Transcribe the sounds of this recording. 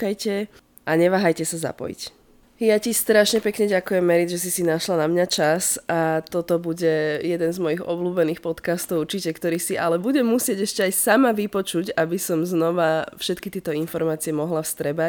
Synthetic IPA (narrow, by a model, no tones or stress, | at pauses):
kajcɛ | ʔaɲɛʋaːɦajcɛsaza̰pɔ̰jḭc | jacist̪ɾaʃɲɛpɛkɲɛɟakujɛmːɛɾid͡zʒɛs̬isinaʃlanamɲat͡ʃasʔat̪ɔt̪ɔbuɟɛjɛd̪ɛnzmɔjiɣɔ̰bluːbɛniːxpɔt̪kast̪ɔʊuɾt͡ʃicɛkt̪ɔɾiːsiʔa̰lɛbuɟɛmːusɪɛɟɛʃcɛajsamaʋipɔt͡ʃucabisɔmznɔʋafʃɛt̪kit̪ɪɛt̪ɔinfɔɾmaːt͡siɛmɔɦlafst̪ɾɛba